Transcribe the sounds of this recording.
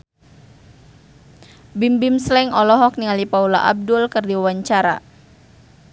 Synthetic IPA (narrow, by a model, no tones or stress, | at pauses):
bimbimslɛŋɔlɔɦɔk̚niŋalipaula̰ʔa̰b̚dʊlkərdiwawaɲt͡ʃaɾa̰